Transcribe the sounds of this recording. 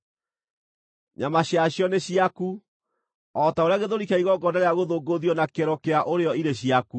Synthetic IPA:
ɲamaɕjaɕjɔneɕiaku | ɔtaoɾeaɣeðoɾikaiɣɔɡɔndaɾeaɣoðoɡoðjɔnakeɾɔkeaʔoɾeɔiɾeɕiaku

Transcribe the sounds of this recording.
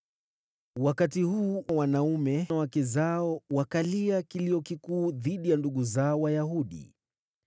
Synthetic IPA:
wakatihuːwanaumɛwakɛzaɔwakaliakiliɔkikuːðiɗijanduɠuzaɔwajahuɗḭ

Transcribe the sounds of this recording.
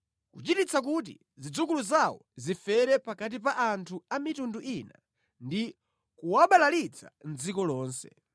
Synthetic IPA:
kut͡ʃitit͡sak̬ut̬ḭ | zid͡zuk̬uluzawɔzifɛɾɛpakat̬ipaʔantʰuamitunduʔina | ndi | kuwaɓalalit͡sʰand͡zikɔlɔːnsɛ

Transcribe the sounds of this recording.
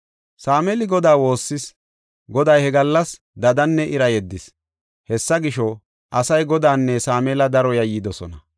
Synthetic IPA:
saːmɛːlɪɡɔd̪aːwo̞ːsːɪs | ɡɔd̪ɐjhɛɡɐlːɐs | d̪ɐd̪ɐnːɛʔɪɾɐjɛd̪ːɪs | hɛsːɐɡɪʃɔ | ʔɐsɐjɡɔd̪aːnːɛsaːmɛːlɐd̪ɐɾɔjɐjiːd̪ɔsɔ̰nɐ

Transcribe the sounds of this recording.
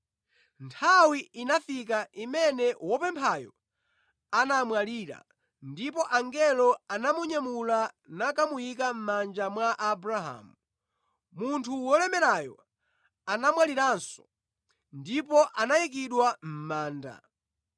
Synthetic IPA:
ntʰawiinafik̬aʔimɛnɛwɔpɛmpʰajɔ̰ | anamwaliɾa̰ | ndipɔʔaŋɡɛlɔanamuɲamula | nakamujik̬am̩mand͡ʒamwaʔabɾaɦa̰ːmu | muntʰuwɔlɛmɛɾajɔ̰ | anamwaliɾaːnsɔ̥ | ndipɔʔanajik̬iɗwam̩maːnda̰

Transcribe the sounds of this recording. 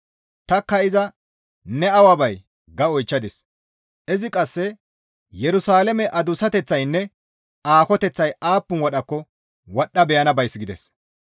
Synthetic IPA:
t̪ɐkːɐɪzɐ | nɛɐwɐbɐj | ɡɐɔjt͡ʃːɐd̪ɪs | ʔɪzɪkʼɐsːɛ | jɛɾʊsaːlɛmɛʔɐd̪ʊsɐt̪ɛt͡sːɐjnːɛ | aːkɔt̪ɛt͡sːɐjaːpːʊnwɔɗɐkːɔ | wɔɗːɐbɛjɐnɐbɐjsɡɪd̪ɛ̰s

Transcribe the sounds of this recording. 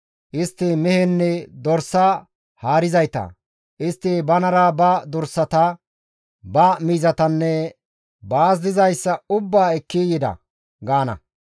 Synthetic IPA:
ʔɪst̪ːɪmɛhɛnːɛd̪ɔɾsːɐ | haːɾɪzɐjt̪ɐ̰ | ʔɪst̪ːɪbɐnɐɾɐbɐd̪ɔɾsːɐt̪ɐ | bɐmiːzɐt̪ɐnːɛ | baːs̬d̪ɪzɐjsːɐʊbːaːɛkːijɪd̪ɐ̰ | ɡaːnɐ̰

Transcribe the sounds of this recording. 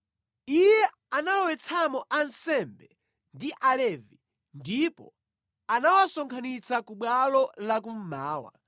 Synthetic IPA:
ijɛ | analɔwɛt͡sʰamɔʔansɛmbɛ | ndiʔalɛvi | ndipɔ̰ | anawasɔŋkʰanit͡sakuɓwalɔlak̬um̩maːwa̰

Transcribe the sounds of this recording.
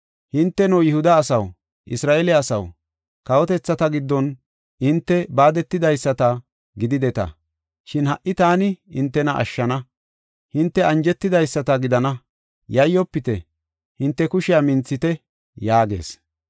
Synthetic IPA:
hɪnt̪ːɛnɔwjɪhʊd̪ɐːsɐw | ʔɪsɾaːɛlɪɐsɐw | kɐwɔt̪ɛt͡sːɐt̪ɐɡɪd̪ːɔn | ɪnt̪ːɛbaːd̪ɛt̪ːɪd̪ɐjsːɐt̪ɐ | ɡɪd̪ɪd̪ɛt̪ɐ̰ | ʃɪnhɐʔːɪt̪aːnɪɪnt̪ːɛnɐʔɐ̰ʃːɐnɐ | hɪnt̪ːɛɐnd͡ʒɛt̪ːɪd̪ɐjsːɐt̪ɐɡɪd̪ɐnɐ | jɐjːɔpːɪt̪ɛ | hɪnt̪ːɛkʊʃɪjamɪnt͡sːɪt̪ɛ | jaːɡe̞̰ːs

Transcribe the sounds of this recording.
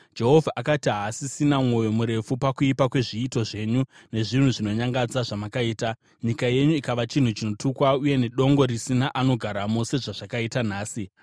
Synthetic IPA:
d͡ʒe̞ɦo̞vʱaʔakatiɦasisinamwo̞jo̞muɾe̞fupakuipakwe̞ʐiːto̞ʐe̞ːɲu | ne̞ʐin̤uʐino̞ɲaŋɡad͡zaʐamakaiːta | ɲikaje̞ɲuikaʋat͡ʃin̤ut͡ʃino̞tukwauje̞ne̞ɗo̞ŋɡo̞ɾisinaʔano̞ɡʱaɾamo̞se̞ʐaʐakaitan̤aːsi

